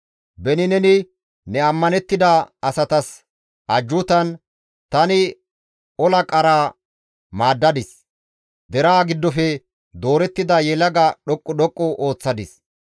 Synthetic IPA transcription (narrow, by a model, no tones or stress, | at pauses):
bɛnɪnɛnɪ | nɛɐmːɐnɛt̪ːɪd̪ɐɐsɐt̪ɐs | ɐd͡ʒːʊt̪ɐn | t̪ɐnɪ | ɔlɐkʼɐɾaː | maːd̪ːɐd̪ɪs | d̪ɛɾaːɡɪd̪ːɔfɛ | d̪o̞ːɾɛt̪ːɪd̪ɐjɛlɐɡɐɗɔkʼːʊɗɔkʼːɔʔo̞ːt͡sːɐd̪ɪs